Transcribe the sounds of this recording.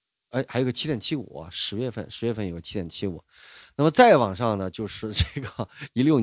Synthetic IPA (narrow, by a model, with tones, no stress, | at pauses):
ɪxɪjɡə˧t͡ɕʰi˥jɛ˨˩nt͡ɕʰi˥ṵ˨˩˦ɐ̰˦ʂɻ̩˧˥ɥɛ˥˧fə̰˥˩nʂɻ̩˧˥ɥɛ˥˧fə˥˩njo˨˩ʊɡə˦t͡ɕʰi˥d̪jɛ˨˩nt͡ɕʰi˥ṵ˨˩˦ | na˥˩mə˩t͡sa˥˩ɪwɑ˨˩ŋʂɑ˥˩ŋnə˩t͡ɕjo˥˧ʊʂɻ̩˥˧ʈ͡ʂɤ˥˩ɡə˩i˧˥ljo˥˩ʊ